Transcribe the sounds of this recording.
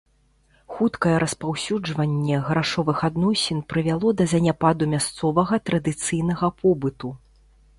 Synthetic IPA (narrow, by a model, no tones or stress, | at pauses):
xut̪kɐjɛɾɐspawsʲud͡ʐvɐnʲːɛɣɾaʂɔvɨxad̪nɔsʲɛnpɾɨvʲalˠɔd̪ɐzʲɐnʲapad̪umʲast̪sɔvɐɣɐt̪ɾɐd̪ɨt̪sɨjnɐɣɐpʰɔbɨt̪u